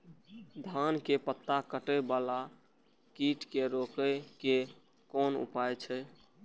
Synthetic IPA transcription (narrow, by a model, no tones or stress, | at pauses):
d̪ʱankepət̪ːakəʈəbala | kiʈkeɾokəke | kɔnṵpajt͡ʃʰɛ